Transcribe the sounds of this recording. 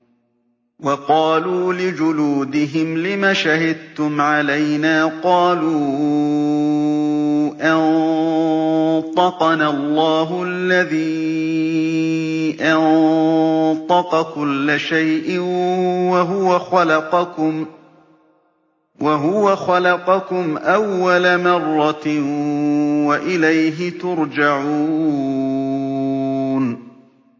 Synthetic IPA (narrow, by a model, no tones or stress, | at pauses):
wɑqɑːluːlɪd͡ʒʊluːd̪ɪɦɪmlɪmaːʃahɪd̪̚t̪ʊmʕalajnaːqɑːluː | ʔɑn | t̪ˤɑqɑnalˤːɑːɦʊʔalːaðiː | ʔɑn | t̪ˤɑqɑkʊlːaʃajʔɪwaɦʊwaxal | waɦʊwaxalɑqɑkʊmʔawːalamɑrˤːɑ | waʔɪlajɦɪt̪ʊɾd͡ʒaʕuː | n